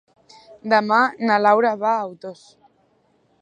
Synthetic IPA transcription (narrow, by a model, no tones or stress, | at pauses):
d̪amanalawɾaβaawt̪os